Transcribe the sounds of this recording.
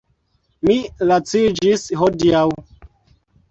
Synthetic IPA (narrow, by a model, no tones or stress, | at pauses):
milat͡sid͡ʒisɦodiaw